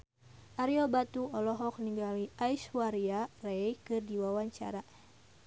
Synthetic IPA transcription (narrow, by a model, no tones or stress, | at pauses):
ʔaɾiɔbat̪uɔlɔɦɔk̚niŋɡaliʔajswaɾiarɛjkɨrdiwawaɲt͡ʃa̰ɾa